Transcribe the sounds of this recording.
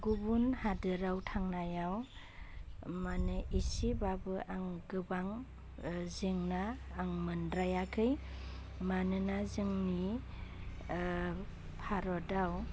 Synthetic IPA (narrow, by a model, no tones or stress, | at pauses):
ɡubunhadɯɾawtʰaŋnajaw | manɯʔisibabɯʔaŋɡɯbaŋ | zɯŋnaːŋmɯndɾajakʰɯj | manɯnazɯŋni | pʰaɾɔdaw